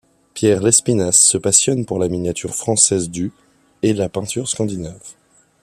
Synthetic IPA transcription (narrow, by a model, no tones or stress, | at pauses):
pjɛʁlɛspinasːəpasjɔnpuʁlaminjat̪ʰyʁfχɑ̃sɛzd̪y | elapɛ̃t̪yʁskɑ̃d̪inav